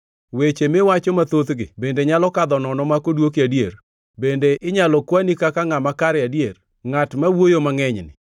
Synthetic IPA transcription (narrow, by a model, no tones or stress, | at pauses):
wet͡ʃemɪwat͡ʃɔmat̪ot̪ɡɪ̰bendeɲalɔkad̪ɔnɔnɔmakodwokiadjer | bendeʔɪɲalɔkwanikakaŋamakaɾɛadjer | ŋatmawojomaŋɛɲnɪ̰